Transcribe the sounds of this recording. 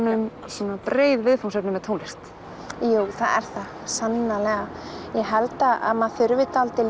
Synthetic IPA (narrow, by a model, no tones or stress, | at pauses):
nʏmsuːnapɾeːjðvɪðfunsɛpnɪmɛt̪ʰownlɪst̪ | juːwθaðɛ̰ɾ̥θa | sanːalɛɣajɛɦɛlt̪aʔa̰maðθʏɾvɪt̪alt̪ɪl